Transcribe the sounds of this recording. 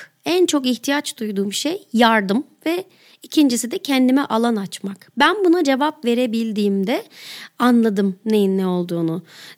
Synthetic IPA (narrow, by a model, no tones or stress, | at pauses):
ænt͡ʃʰo̞kiçt̪ʰijat͡ʃd̪ujd̪uːmbiʃejːaɾd̪ɯmvɛ | icʰind͡ʒisid̪ɛcʰɛnd̪imɛʔalˠanat͡ʃmakbænbunad͡ʒe̞vapve̞ɾe̞bilʲd̪iːmd̪ɛanlˠad̪ɯmnejinːɛo̞lˠd̪uːnu